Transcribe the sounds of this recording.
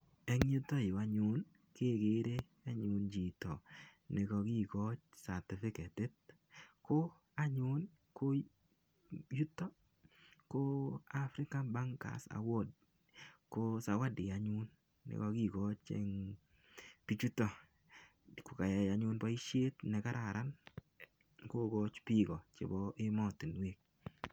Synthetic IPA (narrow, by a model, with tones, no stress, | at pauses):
ɛ˦ŋɲo˦t̪o˦jo˨a˦ɲʊ˦n | ke˦˨ɡe˨˦ɾe˦ | a˦ɲʊ˦nd͡ʒi˨tɔ˨nɪ˨ɡɔ˧ɡi˦˨ɡɔ˦t͡ʃsa˨tɪ˨fɪ˦kɛ˨tɪ˦t̚ | ko˦ | a˦ɲʊ˦n | ko˦ | ju˦tɔ˦ | ko˦a˦fɾɪ˦ka˦nba˦ŋka̰˨sa̰˨wo˦d | ko˦sa˨wa˦dɪ˨a˨ɲʊ˦nː | ɪ̰˨kɔ˧ki˦ɡo˦t͡ʃḛ˦ŋ | pi˦t͡ʃu˦tɔ˨ | ko˨ka˨ja˨ɲʊ˦nbɔ˦i˦ʃe˦tnɛ˨ka˦ɾʔa˨ɾʔa˦n | ko˦ɡɔt͡ʃpi˦ɡɔ˨t͡ʃḛ˨bɔʔɪ˦mɔ˦tɪ˨nwe˦k̚